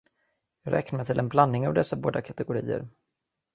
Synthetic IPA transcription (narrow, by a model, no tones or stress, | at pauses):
jɑːɡɾʔɛ̰knaɾmɛjt̪ʰɪlʔɛnblanːɪŋavd̪ɛsːaboːd̪akʰat̪ɛɡʊɾḭːə̰ɾ